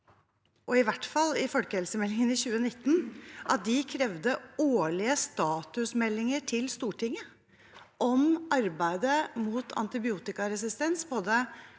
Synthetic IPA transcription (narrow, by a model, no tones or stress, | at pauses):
ʔɔɪʋæʈfɑlːɪfɔlkəhɛlsəmɛlːɪŋənɪçʉːənɪt̪ːn̩ʔɑt̪̚d̪ɪkʰɾɛʋd̪əoːɭɪəst̪ɑːt̪ʉsmɛlːɪŋəʈʰɪlst̪uːʈɪŋːə | ʔɔmʔɑɾbæɪd̪əmuːt̪ʰɑ̰nt̪ɪbɪuːt̪ɪkɑɾɛsɪst̪ɛnspʰɔd̪ɛ